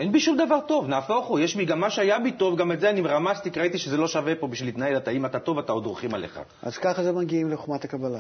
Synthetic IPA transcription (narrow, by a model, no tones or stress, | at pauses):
ʔenbiʃumd̪avaʁt̪o̞vnaːfo̞χujeʃbiɡamːaʃeajabit̪o̞vɡametzeanimeʁamast̪ikʁait̪iʃezelo̞ʃave̞po̞biʃvilit̪naelat̪aimat̪at̪o̞vat̪aod̪ʁuχimaleχa̰ | a̰z̥kaχazemaɡʲiimleχoχmat̪akabala